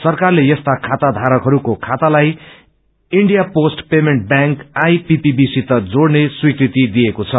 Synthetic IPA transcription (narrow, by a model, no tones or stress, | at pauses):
sʌrkarlejʌst̪akʰat̪ad̪ʱaɾʌkɦʌɾukokʰat̪alaj | iɳɖijaposʈpemeɳʈ̚bjãŋkajpipibisit̪ʌd͡zoɽneswikɾit̪id̪ijekot͡sʰʌ